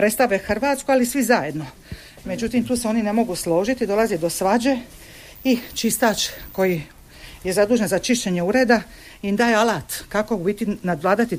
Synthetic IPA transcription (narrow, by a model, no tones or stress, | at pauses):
pɾe̞tst̪aʋexr̩ʋaːt̪skoalisʋizaje̞d̪no̞ | me̞d͡ʑut̪imt̪uːseo̞nine̞mo̞ɡuslˠo̞ːʒit̪id̪o̞lazid̪o̞sʋad͡ʑe̞ | it͡ʃist̪aːt͡ʃko̞ji | je̞zad̪uːʒenzat͡ʃiʃt͡ɕe̞ɲe̞uɾe̞ːd̪a | ind̪aːjealaːt̪kakouit̪inad̪ʋlˠaːd̪at̪i